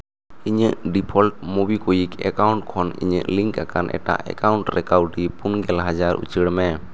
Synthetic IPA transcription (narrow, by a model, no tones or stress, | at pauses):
iɲəʔɖipʰɔlʈ̚mubikɔjikɛkawɳʈkʰɔnḭɲə̰ʔliŋkakanʔɛ̰ʈa̰ʔɛ̰kawɳʈɾɛkawɖipunɡɛlɦad͡ʒaɾʔṵt͡ʃəɽmɛ